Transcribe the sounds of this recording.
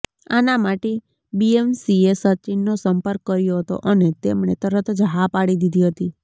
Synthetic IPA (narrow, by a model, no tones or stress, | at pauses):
a̰namaʈe | biemsiesət͡ʃinːosəmpəɾkːəɾjoɦət̪o̰ʔənet̪emɳet̪əɾət̪ʰd͡ʒɦapaɽid̪id̪ʱiɦət̪i